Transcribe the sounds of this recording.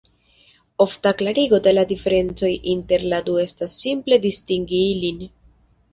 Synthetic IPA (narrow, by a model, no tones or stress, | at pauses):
o̞ftaklaɾiɡo̞de̞ladife̞ɾe̞nt͡so̞jʔinte̞ɾladue̞stasːimple̞distiŋɡiilin